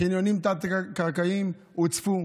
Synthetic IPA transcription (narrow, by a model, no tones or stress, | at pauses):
injonimt̪at̪akaʁkajim | ut͡sfu